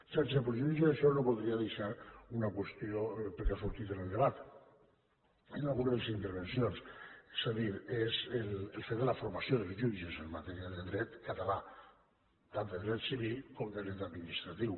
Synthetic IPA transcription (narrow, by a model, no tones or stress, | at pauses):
saɾt͡ʃepɾoʒuiʒeeʃɔnopoðɾiaðeʃaɾunakwest̪iopəɾkeasuɾt̪it̪enelˠd̪eβat̪ | inalɣunaðelesint̪əɾβ̞ensionse̥zaðiɾezelelfet̪d̪əlafoɾmasjoðelzʒud͡ʒezəmːat̪ɛɾiaðeðɾɛt̪kat̪ala | t̪and̪eðɾɛt̪siβilˠkɔmd̪eðɾɛt̪aðminist̪ɾat̪iw